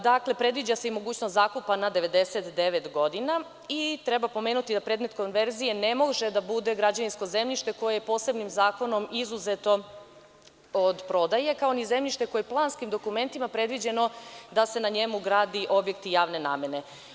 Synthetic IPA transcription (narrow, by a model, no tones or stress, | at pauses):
d̪akle̞pɾe̞d̪ʋid͡ʑaseimo̞ɡuːt͡ɕnost̪zaːkupanad̪e̞ʋe̞d̪e̞se̞t̪d̪e̞ʋet̪ɡo̞d̪ina | it̪ɾe̞bapo̞meːnut̪id̪apɾed̪me̞t̪konʋe̞ɾzije̞ne̞mo̞ʒed̪abud̪e̞ɡɾad͡ʑaninsko̞ze̞mʎiʃt̪e̞ko̞jejepo̞ːse̞bnimzaːko̞no̞mizuzet̪o̞ | od̪pɾo̞d̪aje̞kaonize̞mʎiʃt̪e̞kojeplˠaːnskimd̪o̞kume̞nt̪imapɾe̞d̪ʋid͡ʑe̞no̞d̪ase̞naɲe̞muɡɾaːd̪iʔo̞bje̞kt̪ijaːʋne̞na̰ːmje̞ne̞